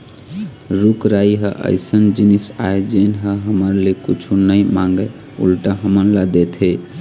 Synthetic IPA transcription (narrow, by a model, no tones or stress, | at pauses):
ɾukɾaiɦəʔə̰ɪsənd͡ʒinisa̰ed͡ʒenɦəɦəməɾlekut͡ʃʰunəjmãŋɡə | ṵlʈaɦəmənləd̪ɛt̪ʰɦe